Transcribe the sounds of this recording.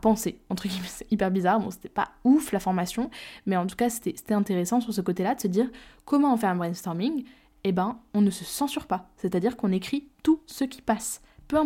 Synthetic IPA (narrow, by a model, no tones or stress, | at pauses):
apɑ̃seɑ̃t̪χəɡʲimɛsɛipɛʁbizaʁbɔ̰̃se̥t̪ɛ̥pa̰uflafɔʁmasjɔ̃mɛɑ̃t̪u̥kase̥t̪ɛse̥t̪ɛɛ̃t̪eʁesɑ̃syʁsəkot̪elad̪əsəd̪iːʁkɔmɑ̃ːfɛʁɛ̃bʁɛ̃nst̪ɔʁmiŋ | ebɛ̃ɔ̃nəsəsɑ̃syʁpaset̪ad̪iʁkɔ̃nekχit̪usəkʲi̥pas | pøɛ̃